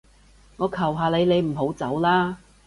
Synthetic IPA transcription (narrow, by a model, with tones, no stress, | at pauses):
ŋɔː˨˧kʰɐ˨˩wɦaː˨le˨˧jnle˨˧jm̩˨˩ɦo˨˥wt͡sɐ˨˥wlaː˥